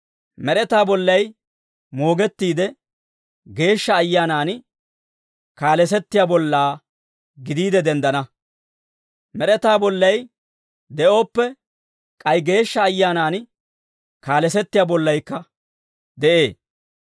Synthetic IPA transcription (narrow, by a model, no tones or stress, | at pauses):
mɛɾɛt̪aːbɔlːɐj | mo̞ːɡɛt̪ːiːd̪ɛ | ɡe̞ːʃːɐːjːaːnaːn | kaːlɛs̬ɛt̪ːɪjaːbɔlːaː | ɡɪd̪iːd̪ɛd̪ɛnd̪ɐnɐ | mɛɾɛt̪aːbɔlːɐj | d̪ɛʔo̞ːpːɛ | kʼɐjɡe̞ːʃːɐːjːaːnaːn | kaːlɛsɛt̪ːɪjaːbɔlːɐjkːɐ | d̪ɛʔe̞ː